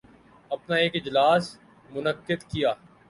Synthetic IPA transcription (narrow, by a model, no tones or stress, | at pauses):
ɐpnaeːkɪd͡ʒlaːs | mʊnəqːɪd̪kijaː